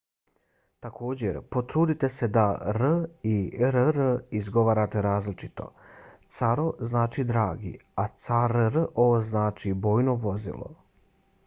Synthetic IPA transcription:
t̪akʰo̞ːd͡ʑe̞ɾpo̞t̪ɾuːd̪it̪e̞se̞d̪aɾiɾɾizɡo̞ʋaːɾat̪e̞ɾaːzlit͡ʃi̥t̪o̞̰t̪saɾoznaːt͡ʃid̪ɾaːɡḭat̪saɾɾoʋoznaːt͡ʃiboːjno̞ʋo̞zḭlˠo̰

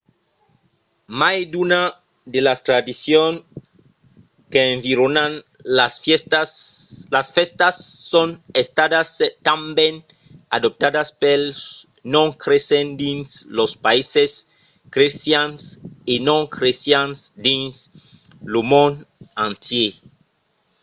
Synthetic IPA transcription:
majd̪una | d̪elast̪ɾad̪isjoŋ | keːɱviɾonan | as | lasfest̪asːonest̪aðast̪ambjen | aðop̚t̪aðaspels | nõŋkɾesend̪inslospaises | kɾesjansinõŋkɾesjansd̪ins | lumonãnt̪je

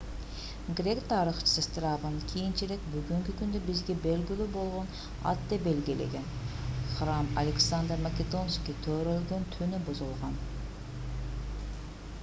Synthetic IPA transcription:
ɡɾʲe̞kt̪ʰɑɾiχt͡ʃʰə̥sɨst̪rɑvɯnkʲʰijint͡ʃiɾek̚byɡyŋkykynd̪øbizɡe̞be̞lɡylʲybo̞lˠʁo̞n | ɑ̰t̪ːebe̞lɡilḛɡe̞nχramɐ̰lʲeksand̪rmakʲed̪onskʲit̪ʰøːɾø̞lɡø̞nt̪ʰynybuzulˠʁɑn

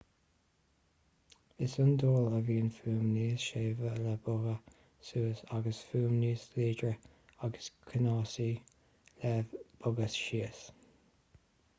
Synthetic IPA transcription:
ɪsʊnd̪oːləviːnfuːmniːsʃeːvəlabʊɣə | suːsaɡəsfuːmniːsliːd͡ʒɹə | aɡəskʰənɑːsiː | lɛvb̥ʊɡəsʃiəs

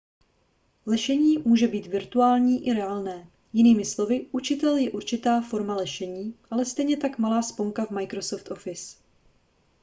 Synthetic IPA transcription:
lɛʃɛɲiːmuːʒɛbiːt̪vɪɾt̪uaːlɲiːʔɪɾɛaːlnɛː | jɪniːmɪslo̞vɪʔut͡ʃɪt̪ɛljɛʔuɾt͡ʃɪt̪aːfo̞ɾmalɛʃɛɲiːʔalɛst̪ɛjɲɛt̪akmalaːspoŋkavmajkɾo̞so̞ft̪ʔo̞fɪs

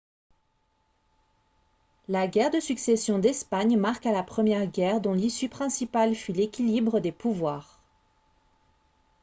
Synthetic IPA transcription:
laɡʲɛʁd̪əsyksesjɔ̃d̪ɛspaɲmaʁkalapχəmjɛʁɡʲɛʁd̪ɔ̃lisypχɛ̃sipalfylekʲilibʁəd̪epuvwaːʁ

